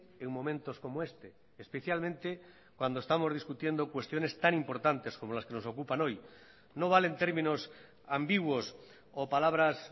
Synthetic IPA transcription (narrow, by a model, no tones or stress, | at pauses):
eŋmomẽ̞nt̪osko̞moest̪e | espeθjalmẽnt̪e | kwand̪oest̪amo̞zð̞iskut̪je̞nd̪okwe̞st̪jo̞ne̞st̪anĩmpo̞ɾt̪ant̪e̞skomolaskeno̞so̞kupanoj | noβ̞alent̪eɾmĩnos | ambiɣwos | opalaβ̞ɾas